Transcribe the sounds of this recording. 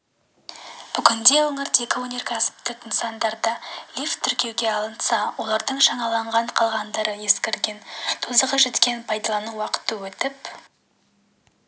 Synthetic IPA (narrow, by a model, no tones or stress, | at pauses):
b̥ʏkʲɪnd̪e̞wəɴəɾt̪e̞kʲɪwonʲe̞rkʲʰæsɪ̥p̚t̪ɪt̪ʰənsɑnd̪ɑɾd̪əlift̪ʰːʏɾkʲe̞wɡʲe̞ɑlˠənsɑwo̞lˠɑɾd̪əɴʃɑɴɑlˠɑɴʁɑɴqʰɑlˠʁɑnd̪ɑɾəje̞skʲeɾɡʲe̞nt̪ʰozəʁɑʒe̞t̪kʲe̞npʰɑjd̪ɑlˠɑnuwɑqə̥t̪ːəwɵt̪ɪp